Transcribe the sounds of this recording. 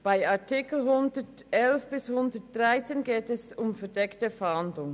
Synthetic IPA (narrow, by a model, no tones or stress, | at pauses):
b̥aɪɑtʰɪkl̩ɦʊndətʔɛlfb̥ɪshʊndət̚d̥ʁaɪt͡seːnɡeːtɛsʊmfɛɐdɛktəfɛhɑndlʊŋ